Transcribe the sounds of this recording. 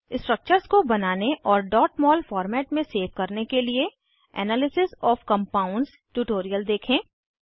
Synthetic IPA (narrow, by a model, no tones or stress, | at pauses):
ɪsʈɾək̚t͡ʃəɾzkobɐnaːneʔɔːɾɖɔːʈmɔːlfɔːɾmɛːʈmẽseːʋkɐɾnekelie | ɛ̰ːnaːlɪsɪzɔːfkɐ̃mpaːʊ̃ɳɖz | ʈuːʈoːɾijəld̪eːkʰẽː